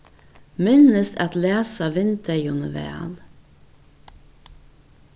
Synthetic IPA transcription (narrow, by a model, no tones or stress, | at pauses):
mɪnəst̪ɑt̪leːsɑʋɪnt̪əjʊnəʋḛːl